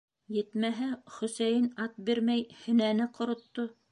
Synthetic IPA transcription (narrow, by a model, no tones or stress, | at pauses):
jɘ̆t̪mæɦæχɵ̆sæjɘnɑt̪̚biɾmæjhɵ̆nænɘqŏɾŏt̪ːo